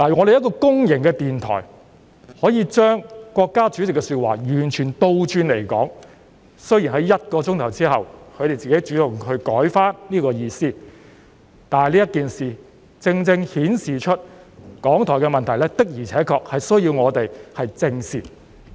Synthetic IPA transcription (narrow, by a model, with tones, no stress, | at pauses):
laː˨˩˨ŋɔː˨˧ɾe˨jɐ˥t̚kɔː˧kʊ˥ŋjɪ˨˩ŋkɛː˧t̪iː˨˩nt̪ʰɔ̰ː˨˩j | hɔː˨˥jiː˨˧t͡ʃœː˥ŋkʷwɔː˧kːaː˥t͡ʃyː˨˥t͡sɪ˨kːɛ˧syː˧t̚waː˨˩jyː˨˩nt͡ʃʰyː˨˩nt̪o˧wt͡ʃyː˧nle˨˩jkɔ̰ː˨˥ŋ | sɵ˥ɥjiː˨˩nɦɐ˨˥jjɐ˥t̚kɔː˧t͡sʊ˥ŋt̪ʰɐ˨˩wt͡siː˥hɐ˨wkʰɵ˨˧ɥt̪e˨jt͡siː˨ke˨˥jt͡ʃyː˨˥t̪ʊ˨ŋhɵ˧ɥkɔː˨˥jfaː˥nliː˥kɔː˧jiː˧siː˥˩ | t̪aː˨n˨jliː˥jɐ˥t̚kiː˨nsiː˨ | t͡sɪ˧ŋt͡sɪ˧ŋhiː˨˥nsiː˨˩t͡ʃʰɵ˥t̚ | kɔː˨˥ŋt̪ʰɔː˨˩jkɛ˧mɐ˨nt̪ʰɐ˨˩jlɛ˥t̪ɪ˥k̚jiː˨˩t͡sʰɛː˨˥kʰɔː˧k̚hɐ˨jsɵ˥ɥjiː˧wŋɔː˨˧t̪e˨jhɐ˨jt͡sɪ˧ŋsiː˨˩t̚